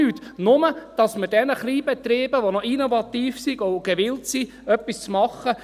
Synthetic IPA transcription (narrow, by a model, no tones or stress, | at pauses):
yːt̪nʊməd̥ɑsməɾd̥ɛnəχliːbɛt̪ɾeːb̥əʋonɔinovɑt̪iːfsiɡ̥oɡ̥ɛʋɪltsi | œpːist͡smɑχːə